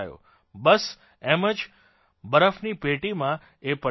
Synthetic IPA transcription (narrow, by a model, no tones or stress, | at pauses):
jo̰ | bəs | eməd͡ʒ | bəɾəfnipeʈimã | epə